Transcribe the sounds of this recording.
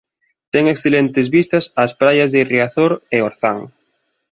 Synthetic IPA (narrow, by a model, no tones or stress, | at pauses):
t̪ɛŋeksθelent̪ɪzβist̪ɐsaspɾajazðeiriaθoɾeoɾθaŋ